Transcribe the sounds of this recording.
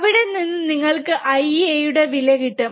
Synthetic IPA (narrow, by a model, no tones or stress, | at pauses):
ʋiɽe̞ninːɨniŋːɐɭkɨʔɐjejuɽe̞ʋilɐkiʈːɨ